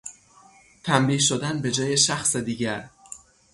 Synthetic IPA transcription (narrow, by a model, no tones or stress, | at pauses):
t̪ʰæmɾiːʃod̪ænbe̞d͡ʒɒːje̞ʃæxsed̪iːɟæɾ